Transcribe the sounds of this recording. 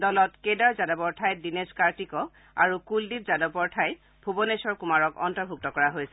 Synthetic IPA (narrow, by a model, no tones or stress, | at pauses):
dɔlɔtkedaɹzadɔbɔɹtʰajdineskaɹtikɔ | a̰ɹukuldip̚zadɔpɔɹtʰaj | bʱubɔnesɔɹkumaɹɔkɔ̰ntɔbʱuk̚tɔkɔɹaɦojsɛ